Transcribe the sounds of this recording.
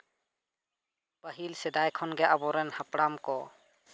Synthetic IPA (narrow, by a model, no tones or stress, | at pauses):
pəɦilsɛd̪ajkʰɔnɡɛʔabɔɾɛnhapɽamkɔ